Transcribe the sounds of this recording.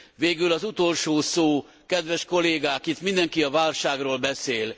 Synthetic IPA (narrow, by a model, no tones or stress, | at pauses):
veːɡylɒzut̪o̞lʃoːsoː | kɛd̪ʋɛʃko̞leːɡaːkit̪mind̪ɛŋkiɒvaːlʃaːɡroːlbɛseːl